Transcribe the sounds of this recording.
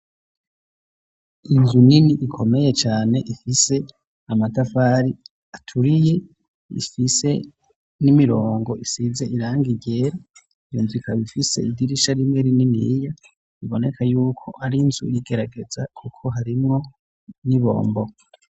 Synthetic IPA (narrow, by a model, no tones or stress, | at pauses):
inzuniniʔːkʰo̞me̞je̞t͡ʃaːne̞ʔifise̞ | amatafaɾi | atʰuɾije̞ | ḭfise̞ | nimiɾo̞ːŋɡo̞isize̞ʔiɾaːŋɡiɾɟe̞ːɾa | ijuːnzikaβifise̞̰idiɾiʃaɾimŋeɾininḭja | iβo̞ne̞kʰajuːkʰo̞ʔaɾinz̥ṵjiɡe̞ɾaɡe̞zakʰukʰo̞ɦaɾimŋo̞ | niβo̞̰ːmbo̞